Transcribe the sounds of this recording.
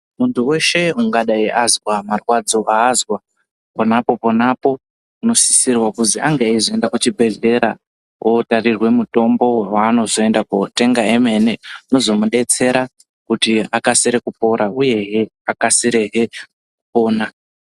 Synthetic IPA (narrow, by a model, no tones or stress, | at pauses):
muntuwe̞ʃe̞uŋɡaɗaiʔazwamarwad͡zo̞ʔaːzwa | ponapo̞ponapo̞ | uno̞si̥sirwakuziaŋɡeaizoe̞ndakut͡ʃibʱe̞ɮe̞ɾa | wʔotarirwe̞muto̞mbo̞waːno̞zo̞e̞ndakute̞ŋɡaeme̞neno̞zo̞muɗe̞t͡se̞ɾa | kutiakaseɾekupo̞ɾʔauje̞ɦeakasiɾe̞ɦe̞ | kupo̞ːna